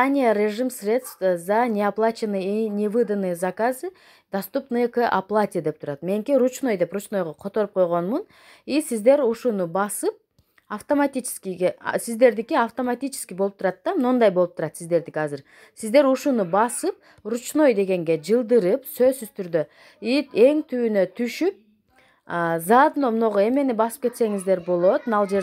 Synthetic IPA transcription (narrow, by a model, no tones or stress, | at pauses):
anʲɪjəɾʲeʐɨmsrʲe̞t̪st̪zanʲeaplˠat͡ʃɪnɨjinʲevɨd̪ɨnɨjzakazɨ | d̪ɐst̪upnɨjkɨʔaplˠatʲɪjəd̪e̞pt̪ʰuɾɑt̪me̞ŋkʲiɾut͡ʃno̞jd̪e̞pɾut͡ʃno̞jʁɑqʰo̞t̪o̞ɾup̚qʰo̞jʁo̞nmun | isizd̪e̞ɾuʃunubɑsɯp̚ | ɐft̪omat̪ʲit͡ʃɪ̥skʲiɡḛsizd̪e̞ɾd̪ikiaft̪omat̪ʲit͡ʃɪ̥skʲiboupt̪ʰuɾɑt̪ːamnond̪ɑjbo̞lˠup̚t̪ʰuɾɑt̪sizd̪e̞ɾd̪ikiɑzɯɾ | sizd̪e̞ɾuʃunubɑsɯp̚ | rut͡ʃno̞jd̪e̞ɡe̞ŋɡe̞d͡ʒɯlˠd̪ɯɾɯpsø̞zsyz̥t̪ʰyɾd̪ø̞ | ie̞ŋt̪ʰyːnø̞t̪ʰyʃyp̚ː | zɑd̪ɯnomuno̞ʁoe̞me̞nibɑsɯ̥p̚ke̞t̪se̞ŋizd̪e̞ɾbo̞lˠo̞t̪nɑlˠd͡ʒe̞